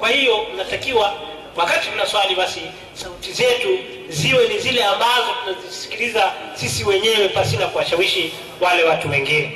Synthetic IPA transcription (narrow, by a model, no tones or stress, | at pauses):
kwahijɔnatakiwa | wakatikunaswaliβasi | sautizɛtu | ziwɛnizilɛambazɔtunazisi̥kilizasisiwɛɲɛwɛpasinakuwaʃawiʃi | walɛwatuwɛŋɡinɛ